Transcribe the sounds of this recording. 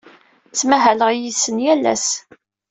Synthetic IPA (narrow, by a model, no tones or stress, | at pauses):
t͡sːmæɦæləʁjisənjælæ̰s